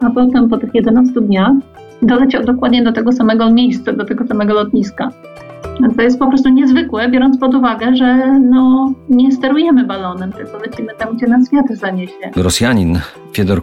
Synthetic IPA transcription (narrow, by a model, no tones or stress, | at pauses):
apɔt̪ɛmpɔt̪ɘxjɛd̪ɛnast̪ud̪ɲax | d̪ɔlɛt͡ɕɛd̪ɔkwad̪ɲɛd̪ɔt̪ɛɡɔsamɛɡɔmʲejst̪sad̪ɔt̪ɛɡɔsamɛɡɔlɔt̪ɲiska | t̪ɔjɛst̪̚pɔpɾɔst̪uɲɛzvɘkwɛbʲjɔɾɔnt̪spɔd̪uvaɡɛʐɛnɔɲɛst̪ɛɾujɛmɘbalɔnɛmt̪ɛsɔlɛt͡ɕimɘt̪amɡd͡ʑɛnasfʲjat̪zaɲɛɕɛɡɾɔsʲjaɲin | fʲjɛd̪ɔɾ